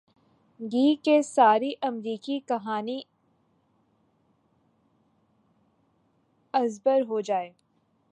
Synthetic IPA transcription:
ɡiːkesaːɾiʔɐmɾiːkikɐɦaːni | ɐzbəɾɦod͡ʒaːeː

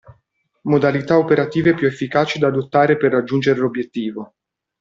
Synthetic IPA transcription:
mod̪alit̪aopeɾat̪iːvepjuefːikaːt͡ʃid̪aːd̪ot̪ːaːɾeperːad͡ʒːund͡ʒeɾelobːjet̪ːiːvo

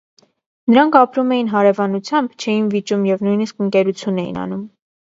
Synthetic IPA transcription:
nəɾɑŋkʰɑpɾumɛjinɦɑɾɛvɑnut͡sʰjɑmbt͡ʃʰɛjinvit͡ʃumjɛvnujniskəŋkɛɾut͡sʰjunɛjḭnɑ̰num

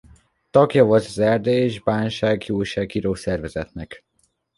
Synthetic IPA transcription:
t̪ɒɡjɒvolt̪zɛrd̪eeːʒbaːnʃaːɡjuːlʃaːɡiɾoːsɛrvɛzɛt̪nɛk

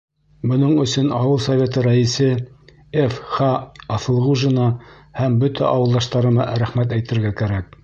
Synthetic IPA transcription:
bŏnɤɴɵ̆sɵnɑwɤlˠsɐvʲet̪ɤɾæisɘ | efχɑːθɤ̆lˠʁuʒɘ̆nɑhæmbɵt̪ʰæ̰ʔɑwɤ̆lˠd̪ɑʃt̪ɑɾɤ̆mɑɾæχmæt̪æjt̪ɘ̆ɾɡækæɾæk̚

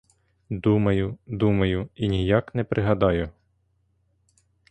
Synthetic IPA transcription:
d̪umɐjʊd̪umɐjʊinʲijɑknɛpɾʔɪɦɐd̪ɑjʊ

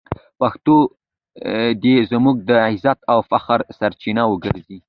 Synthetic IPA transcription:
paxt̪o | d̪ezmuɡ̚d̪əɪzat̪awfaxɾsaɾt͡ʃinawəɡəɾzi

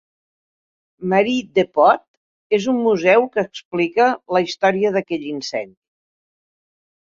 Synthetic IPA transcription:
məɾid̪epɔt̪ | ezumːuzɛwkəːksplikələist̪ɔɾiəðəkɛʎinsɛ̰nd̪i

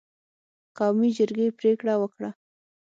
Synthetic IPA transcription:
qɑwmid͡ʒəɾɡepɾekɽawəkɽa

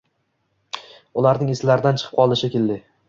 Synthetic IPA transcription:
ʊlaɾnɪŋeslaɾɪd̪ant͡ʃʰɨ̥qʰɨp̚qʰɒlˠɪʃɪkʲeld̪ɪ

